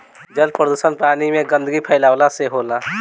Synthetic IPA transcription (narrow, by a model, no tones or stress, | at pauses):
d͡ʒəlpɾəd̪usənpaːnimẽɡə̃nd̪əɡipʰəɪlaːwlaseɦoːla